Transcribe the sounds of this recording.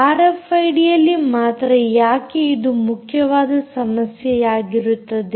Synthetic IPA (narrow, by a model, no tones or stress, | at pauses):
aːɾefɐjɖijɐlːimaːt̪ɾɐjaːkeid̪umukʰjɐʋaːd̪ɐsɐmɐsjɛjaːɡiɾut̪ːɐd̪e